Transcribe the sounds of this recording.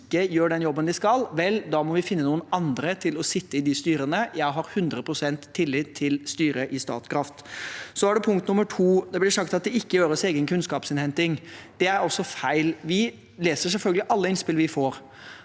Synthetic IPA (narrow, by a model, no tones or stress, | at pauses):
kːəjøːɖɛnjɔbːənd̪ɪskɑlʋɛld̪ɑːmɔʋɪfɪnːənuːənɑnd̪ɾət̪ʰɪlɔsɪt̪ːəɪd̪ɪst̪yːɾənəjæɪɦɑɾhʉnd̪ɾəpʰɾʊsɛnt̪ʰːɪlːɪt̪ʰːɪlst̪yːɾəʔɪst̪ɑ̰ːt̪skʰɾɑft̪sɔæɖɛpʰʊŋkt̪nʊmːəʈʰuːd̪ɛblɪʂɑk̚t̪ɑt̪̚d̪ɛɪkːəjøːɾəseːɡənkʰʉnskɑːpsɪnhɛnt̪ɪŋd̪̥ɛæɾɔsːɔfæɪlʋɪ | leːsəsɛlfœlɡəlɪʔɑlːəɪnspɪlʋɪfoːɾ